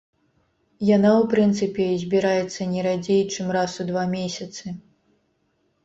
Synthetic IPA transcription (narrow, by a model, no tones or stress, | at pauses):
janawpɾɨnt̪sɨpʲɛzʲbʲiɾajɛt̪sːɐnʲɛɾad͡zʲejt͡ʂɨmrasud̪vamʲesʲɐt̪sɨ